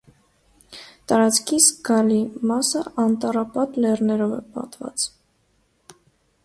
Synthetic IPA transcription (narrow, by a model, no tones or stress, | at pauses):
t̪ɑɾɑt͡skʰizɡɑlimɑsəɑnt̪ɑrɑpɑt̪lɛrnɛɾɔvɛ̰pɑ̰t̪vɑ̰t͡s